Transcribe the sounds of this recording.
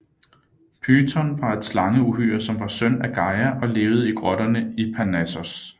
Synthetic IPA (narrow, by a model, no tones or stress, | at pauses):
pʰyːt͡sʰɒnʋɑ̈e̝d̥slɑ̈ŋəuɦyːɐsɒ̽mʋɑ̈søn̰æɡ̥ɑ̈ɪæʔɒ̽le̝ːʊð̞̩ˠəiɡ̥ʁɒɾ̥ɐnəipʰænæsɔs